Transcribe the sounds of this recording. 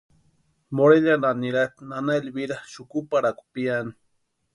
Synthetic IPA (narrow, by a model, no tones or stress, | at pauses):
moɾeʎananiɾat̪nanaelbiɾaʃʊkupaɾaku̥piani